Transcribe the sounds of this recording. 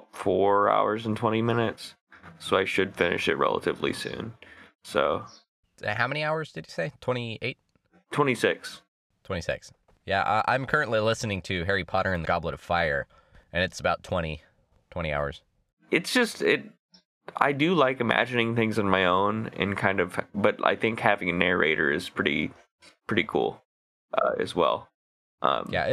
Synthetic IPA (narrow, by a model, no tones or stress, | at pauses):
pfɔɹa̰ʊə˞z̃n̩tʰw̥ɛ̃ɾ̃imɪ̃nɨts | soʊaɪʃɨd̥fɪ̃nɨ̰ʃɨ̰t̚ɹɛ̰lˠə̰ɾɨ̰vlḭsʉ̰̃n | so̰ʊ̰ | haʊmɛñiaʊə˞zdɨd͡ʒɨseɪtʰw̥ɛ̃ɾ̃ieɪt̚ | tʰw̥ɛ̃ɾ̃isɪks | tʰw̥ɛ̃ɾ̃isɪ̰ks | jæʔʌʔã̰ɪ̃mkʰɜ˞ɨ̃nʔlilɪsnɪ̃ŋtʰɨɦɛɹipʰɑɾʔə˞ɨ̃nðɨɡɑbləɾʌv̥faɪə˞ | ʔɨ̃nɨtsəbaʊtʰw̥ɛ̃ɾ̃i | tʰw̥ɛ̃ɾ̃ia̰ʊə̰˞z̥ | ʔɨtsd̥ʒ̥ʌstɪɾ | a̰ɪdɨlaɪkɨmæ̰d͡ʒɨnɪ̃ŋθɪ̃ŋzɨ̃nmaɪõʊ̃nɨ̰̃nkʰãɪ̃ndʌv̥b̥ʌɾa̰ɪθɪ̃ŋkhævɪ̃ŋɨnɛɹḛɪɾə̰˞ɨz̥pʰɹ̥ɪɾḭ | pʰɹ̥ɪɾikʰṵlˠ | ʔʌ̰ɨ̰zwɛ̰lˠ | ʔʌ̰̃mjæ̰